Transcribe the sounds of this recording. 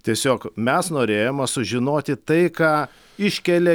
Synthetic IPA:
t̪ʲiɛsʲoːkmʲɛsnoːɾʲeːjomɐsʊʒʲɪnoːt̪ʲɪt̪ɐɪkɑː | ɪʃʲkʲɛlʲɛ

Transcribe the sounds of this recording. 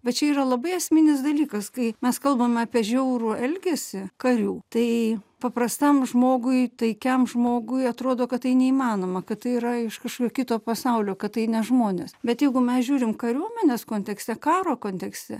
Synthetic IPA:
bʲɛt̪t͡ʃʲɛiːɾɐlˠɐbɐɪɐsʲmʲɪnʲɪsd̪ɐlʲiːkɐskɐɪmʲɛskɐlˠbɐmʲɑːpʲiɛʒʲɛʊɾʊɛlʲɡʲesʲɪkɐɾʲuːt̪ɐɪpɐprɐst̪ɐmʒmoːɡʊɪt̪ɐɪkʲɛmʒmoːɡʊɪɐt̪ɾoːd̪oːkɐttːɐɪnʲɛimɑːnoːmɐkɐttɐɪiɾɐɪʃkɐʃkoːkʲoːkʲɪt̪oːpɐsɐʊlʲoːkɐttːɐɪnʲɛʒmoːnʲeːsbʲɛt̪jɛɪɡʊmʲɛsʒʲuːɾʲɪmkɐɾʲuɔmʲɛnʲeːskoːnʲt̪ʲɛksʲt̪ʲɛkɑːɾoːkoːnʲt̪ʲɛksʲt̪ʲɛ

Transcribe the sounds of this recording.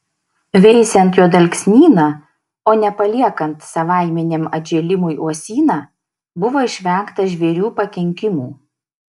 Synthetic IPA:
ʋʲɛɪsʲɛnt̪joːd̪ɐlʲkʲsʲnʲiːnɑː | oːnʲɛpɐlʲiɛkɐnt̪sɐʋɑˑɪmʲɛnʲeːmɐd͡ʒʲɛːlʲɪmʊjʔuɔsʲiːnɑː | bʊʋoːɪʃʲʋʲɛŋkt̪ɐʒʲʋʲɛɾʲuːpɐkʲɛŋʲkʲɪmuː

